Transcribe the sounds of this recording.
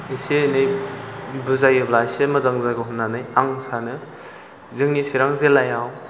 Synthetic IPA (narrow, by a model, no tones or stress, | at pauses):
isenɯj | bɯzajɯblajsemɐzaŋzaɡɯɦunːanɯjaŋsanɯ | zɯŋnisiɾaŋzelajaw